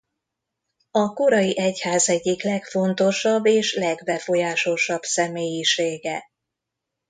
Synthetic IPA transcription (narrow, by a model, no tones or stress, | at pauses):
ɒko̞ɾɒjiʔɛchaːzɛɟːiklɛkfo̞nt̪o̞ʃɒbːeːʃlɛɡbɛfo̞jaːʃo̞ʃɒbsɛmeːjiʃeːɡɛ